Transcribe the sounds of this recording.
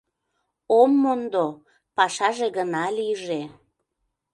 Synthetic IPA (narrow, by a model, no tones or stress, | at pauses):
omːond̪o | pɑʃɑʒeɣənɑliʒe